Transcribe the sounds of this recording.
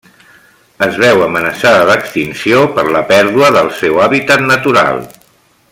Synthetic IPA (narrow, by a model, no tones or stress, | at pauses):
əzβɛwəmənəsaðəðəkst̪insiopəɾləpɛɾðuəðəlˠsɛwaβit̪ət̪nət̪uɾa̰lˠ